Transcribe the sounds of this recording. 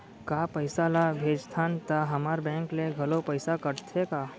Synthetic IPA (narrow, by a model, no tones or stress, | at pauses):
kaːpəɪsalabʱeːd͡ʒt̪ʰaːnt̪aɦɐmaːɾbɛ̃ːŋkleɡʱɐlopəɪsakəɾt̪ʰekaː